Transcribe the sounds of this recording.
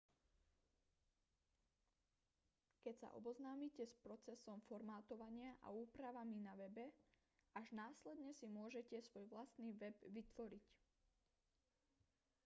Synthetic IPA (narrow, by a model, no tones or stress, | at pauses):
kɛcsa̰ʔɔ̰bɔznaːmiːcɛspɾɔt͡sɛsɔmfɔɾmaːt̪ɔʋaɲɪaʔa̰uːpɾaʋaminaʋɛbɛ | aʒnaːslɛd̪ɲɛsimʊɔʒɛcɛsʋɔjʋlast̪niːʋɛbʋit̪ʋɔɾic